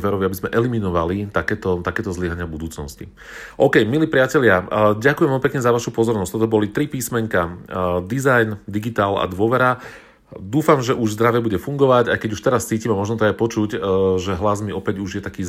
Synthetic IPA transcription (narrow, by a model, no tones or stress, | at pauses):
ʋɛɾɔʋiabizmɛʔɛliminɔʋalit̪akɛːt̪ɔt̪akɛːt̪ɔzliɦaɲɪabud̪uːt͡snɔscḭ | ʔɔːkɛjmiliːpɾɪacɛʎɪaɟakujɛmʋɛmipɛkɲɛzaʋaʃupɔzɔɾnɔsct̪ɔt̪ɔbɔlit̪ɾipiːsmɛɲkad̪izajnd̪iɡit̪aːla̰d̪ʋʊɔʋɛɾa | d̪uːfamʒɛʔuʒzd̪ɾaʋɛbuɟɛfuŋɡɔʋaɟajkɛɟuʃt̪ɛɾast͡siːcimɛmɔʒnɔt̪ɔajpɔt͡ʃuɟʒɛɦlazmiɔpɛɟuʒjɛt̪akiː